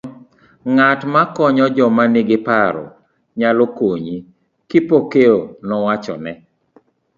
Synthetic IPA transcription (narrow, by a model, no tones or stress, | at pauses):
ŋatmakɔɲɔd͡ʒɔmaneɡɪpaɾɔ̰ | ɲalokoɲi | kɪpokeonɔwat͡ʃɔ̰nɛ